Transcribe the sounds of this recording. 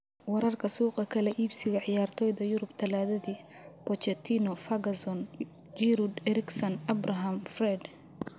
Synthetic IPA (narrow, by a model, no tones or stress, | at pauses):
wɐɾɐrkʰɐsuːqʼɐkʰɐlɛʔiːbsɪɣɐʕɪjaːrt̪ʰɔːjðɐjʊɾʊbt̪ʰɐlaːðɐðiː | pɔt͡ʃɛt̪ʰinɔfɐɡɐsɔn | d͡ʒiɾud̪ɛɾɪksɔnɐbrɐɦɐmfrɛd̪